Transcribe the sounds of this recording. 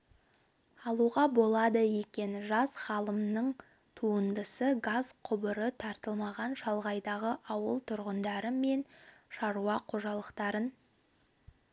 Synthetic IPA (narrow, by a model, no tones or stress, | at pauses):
ɑlˠuʁɑbo̞lˠɑd̪əje̞kʲe̞nʒɑsχɑlˠəmnəɴ | t̪ʰuənd̪əsəɡazqʰʊbəɾət̪ʰɑɾt̪əlˠmɑʁɑnʃɑlˠʁɑjd̪ɑʁəʔɑwəlˠt̪ʰʊɾʁənd̪ɑɾəme̞nʃɑɾuɑqʰo̞ʒɑlˠəqt̪ɑɾən